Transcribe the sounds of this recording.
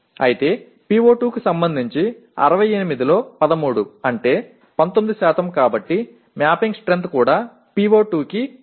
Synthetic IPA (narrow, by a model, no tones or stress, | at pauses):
ɐjit̪e̞ː | piːʋo̞ːʈuːkisɐmbɐnd̪ʱiɲt͡ʃi | ɐ̰ɾɐʋɐjenimid̪ilo̞ːpɐd̪ɐmuːɽuɐɳʈe̞ː | pɐnt̪omid̪isaːt̪ɐmkaːbɐʈːi | mjaːpiŋɡsʈɾe̞nt̪kuːɽaː | piːʋo̞ːʈuːki